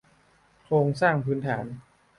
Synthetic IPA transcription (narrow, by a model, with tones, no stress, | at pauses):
kʰɾoː˧ŋsaː˥˩ŋpʰɯː˩˦˥nt̪ʰaː˩˦n